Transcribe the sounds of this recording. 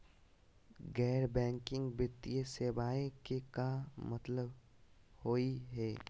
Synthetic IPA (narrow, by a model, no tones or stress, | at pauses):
ɡɛːɾbɛ̃ːŋkɪ̃ŋɡbɪt̪ijeseːbaːẽkekamɐt̪ləb | hoːiɦɛː